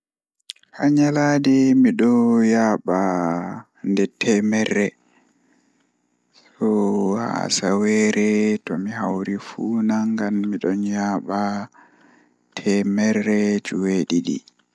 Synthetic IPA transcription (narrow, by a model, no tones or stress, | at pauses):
haɲaladɛmiɗɔjaɓa | ndɛtʰɛmɛrːɛ | s | ɔha̰sawɛɾɛtɔmiɦawɾifunaŋɡamːiɗɔnjaːɓa | tʰɛmɛrːɛd͡ʒuweɗiɗḭ